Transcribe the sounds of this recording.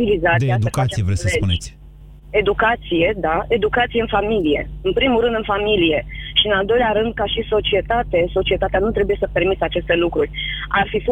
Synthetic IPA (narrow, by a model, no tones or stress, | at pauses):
ilizad̪ed̪ukaijevɾesəseuned͡ʒsʲ | e̞d̪ukat̪sije̞d̪ae̞d̪ukat̪sije̞ɨnfamilije̞̰ɨnpɾimulɾɨnd̪ɨnfamilije̞ʃiɨnald̪o̞jlʲaɾɨnd̪̚kaʃiso̞t͡ʃie̞t̪at̪eso̞t͡ʃie̞t̪at̪eanut̪ɾe̞buje̞səpe̞rmit̪əat͡ʃe̞st̪e̞lukɾurʲarfifo